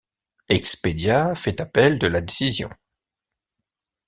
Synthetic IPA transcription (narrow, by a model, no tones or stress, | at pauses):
ɛksped̪jafɛt̪apɛld̪əlad̪esizjɔ̰̃